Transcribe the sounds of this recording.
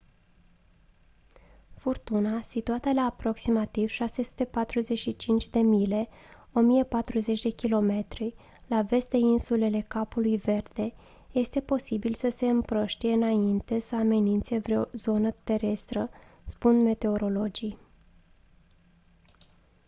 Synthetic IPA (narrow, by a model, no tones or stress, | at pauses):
furt̪unasit̪uat̪elaːpɾo̞ksimat̪iv̥ʃase̞su̥t̪e̞pat̪ɾuze̞ʃit͡ʃint͡ʃʲd̪e̞mile̞ | o̞mije̞pat̪ɾuze̞t͡ʃʲd̪e̞kʲilo̞me̞t̪ɾi | lave̞st̪d̪e̞insule̞le̞kapulujve̞rd̪̥e̞ | je̞st̪e̞po̞sibilsəse̞ɨmpɾoʃt̪ije̞ɨnaint̪e̞səame̞nint̪se̞vɾeo̞zo̞nət̪e̞ɾe̞st̪ɾəspund̪me̞t̪e̞o̞ɾo̞lo̞d͡ʒij